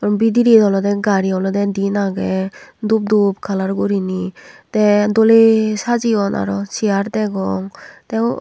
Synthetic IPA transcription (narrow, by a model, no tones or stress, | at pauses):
kɾɔmbid̪iɾidɔlɔd̪ɛɡaɾiɔlɔd̪ed̪inaɡedup̚d̪up̚kʰalaɾɡuɾinit̪edɔlesʰad͡ʑiɔna̰ɾɔt͡ɕʰiaɾt̪ɛɡɔŋt̪e